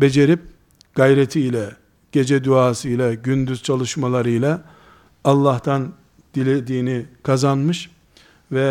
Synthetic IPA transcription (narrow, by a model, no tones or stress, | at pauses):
be̞d͡ʒe̞ɾip̚ | ɡ̥ajɾet̪ʰiːlʲɛ | ɟ̥e̞d͡ʒɛd̪uaːsɯjlʲˠɛɟynd̪yz̥t͡ʃʰalˠɯʃmalˠaɾɯjlʲˠa | ɑlˠːaht̪ʰan | d̪̥ilʲed̪iːnikʰazanmɯʃ | vɛ